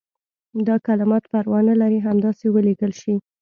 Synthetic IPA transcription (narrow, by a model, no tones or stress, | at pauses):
d̪ɑkalɪmɑt̪paɾwɑnalaɾiɦamd̪ɑsewəleɡəlʃi